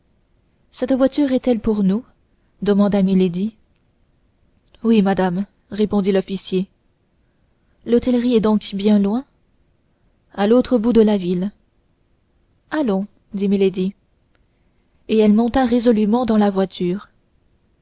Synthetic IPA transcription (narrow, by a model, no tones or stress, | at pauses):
sɛt̪vwat̪yʁɛt̪ɛlpuʁnu | d̪əmɑ̃d̪amiled̪i | wimad̪am | ʁepɔ̃d̪ilɔfisje | lɔt̪ɛlʁiɛd̪ɔ̃kbjɛ̃lwɛ̃ | alot̪χəbud̪əlavil | alɔ̃ | d̪imiled̪i | eɛlmɔ̃t̪aʁezɔlymɑ̃d̪ɑ̃lavwat̪ʰyːʁ